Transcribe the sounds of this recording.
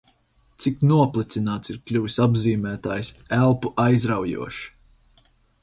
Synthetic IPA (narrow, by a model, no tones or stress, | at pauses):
t̪siknuɔplˠit̪sinaːt̪siɾklʲuvisabziːmæːt̪aːjsælˠpuʔajzɾawjṵɔʃi̥